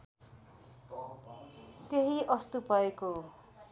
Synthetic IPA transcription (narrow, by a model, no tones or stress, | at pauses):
t̪eɦiʔʌst̪upʌeko